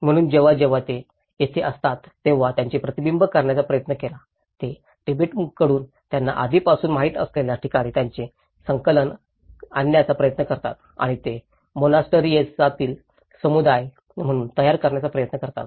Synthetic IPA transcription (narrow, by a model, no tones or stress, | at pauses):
m̤əɽ̃uːnd͡ʑeʋad͡ʑeʋat̪e | jet̪ʰeʔəst̪at̪ːeʋ̤at̪jaɲt͡ɕepɾət̪ibimbʱəkəɾɳjat͡sapɾəjət̪nəkela | t̪e | ʈibeʈkəɽuːn | t̪janːa̰ʔa̰d̪ʱipasuːnmaɦiːt̪ə̰sleljaʈʰikaɽ̃iːt̪jaɲt͡se | səŋkələn | a̰njat͡sapɾəjət̪nəkəɾt̪a̰t̪ | a̰ɽ̃it̪e | monasʈəɾiet͡sat̪iːl | səmud̪aj | m̤əɽ̃uːnt̪əjaɾkəɾɳjat͡sapɾəjət̪nəkəɾt̪a̰t̪